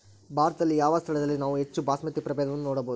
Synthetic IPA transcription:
bʱaːɾɐt̪ɐd̪ɐlːijaːʋɐst̪ʰɐɭɐd̪ɐlːinaːʋuɦe̞t͡ʃːubʱaːsmɐt̪ːipɾɐbɛːd̪ɐʋɐnːunoːɽɐboːd̪u

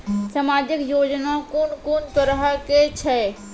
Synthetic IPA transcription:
səmad͡ʒəkjod͡ʒnakonkont̪əɾəɦəket͡ʃʰɛ

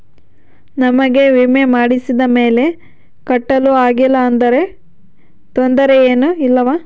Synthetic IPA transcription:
nɐmɐɡe̞ʋimemaːɽisid̪ɐme̞ːle̞ | kɐʈːɐluaːɡilːɐːnd̪ɐɾe̞ | t̪ond̪ɐɾe̞eːnuilːɐʋaː

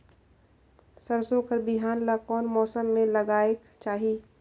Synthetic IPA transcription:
səɾsoːkʰəɾbɪɦaːnlakɔːnmɔːsəmːẽləɡaːek | t͡ʃaːɦiː

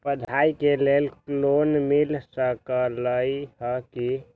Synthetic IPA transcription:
pəd̪ʱaikelelklonmilsəkələjhəki

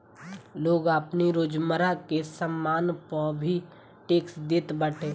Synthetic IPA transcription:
loːɡəpniɾoːd͡ʒməɾakesəmːaːnpəbʱi | ʈeːksd̪ɪt̪bəʈʰeː

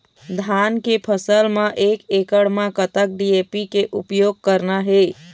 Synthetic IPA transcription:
d̪ʱaːnkepʰəsəlmãʔekekəɽmãkət̪ək̚ɖiepikeʔupjoːɡ̚kəɾnaɦe

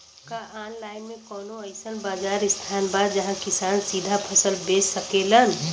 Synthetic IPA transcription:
kaʔanlajmekənoəɪsənbad͡ʒaɾist̪ʰanbad̪d͡ʒəɦãkisansid̪ʱapʰəsəlbessəkelən

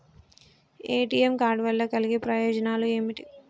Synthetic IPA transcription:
eːʈiːemkaːɾɖʋɐlːɐkɐliɡipɾɐjɔːd͡ʒɐnaːlueːmiʈi

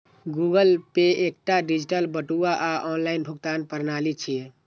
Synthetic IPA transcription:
ɡuɡəlpeek̚ʈaɖid͡ʒiʈəlbəʈuaʔaʔɔnlainbʱukt̪anpəɾnalit͡ʃʰiɛ

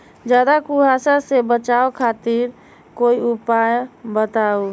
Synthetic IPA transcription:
d͡ʒad̪akuɦasasebət͡ʃaokʰat̪iɾ | koiupajbət̪au

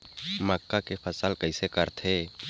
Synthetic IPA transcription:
məkːakepʰɐsaːlkəɪsekəɾt̪ʰeː

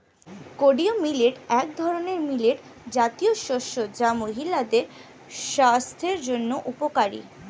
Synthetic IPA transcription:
koɖiomileʈɛk̚d̪ʱɔɾoneɾmileʈ | d͡ʑat̪ijoʃoʃod͡ʑamoɦilad̪eɾ | ʃast̪ʰeɾd͡ʑonːoʔupokaɾḭ

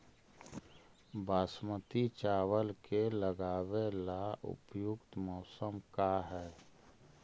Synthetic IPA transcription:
baːsmət̪it͡ʃaːwəlkeləɡaːwelaʔʊ̰pjʊkt̪mɔːsəmkaɦɛː

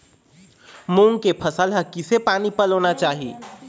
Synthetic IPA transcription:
muŋkepʰəsəlɦəkːisepaːnipəlonat͡ʃaːɦi

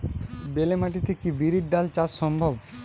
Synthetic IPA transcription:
belemaʈit̪ekibiɾiʈ̚ɖalt͡ɕasʃɔmbʱob

